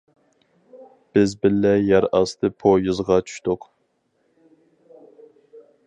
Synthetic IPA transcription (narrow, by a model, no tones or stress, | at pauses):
b̥ɪzbɪlːɛjɛɾɑst̪ʰɨpʰojɨzʁɑt͡ʃʰy̥ʃt̪ʊq